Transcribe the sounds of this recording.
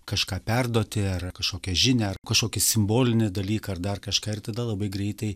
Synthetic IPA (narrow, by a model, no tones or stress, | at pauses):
kɐʃkɑːpʲɛrd̪oːt̪ʲɪɐrkɐʃkoːkʲɛʒʲɪnʲeːɐrkɐʃkoːkʲɪsʲɪmboːlʲɪnʲɪd̪ɐlʲiːkɐɐrd̪ɐrkɐʃkɑːɪrt̪ɐd̪ɐlˠɐbɐɪɡɾʲɛɪt̪ɐɪ